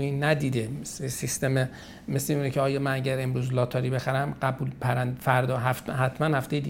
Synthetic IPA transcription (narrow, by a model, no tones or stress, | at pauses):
iːnːæd̪iːd̪emeslesist̪eme | mesleuːnecʰeɒːjɒːmænæɟæɾe̞mɾuːzlɒːt̪ʰɒɾiːbexæɾæmɢæbuːlpʰæɾænd̪fæɾd̪ɒːɦæft̪hæt̪ʰmænhæft̪ejei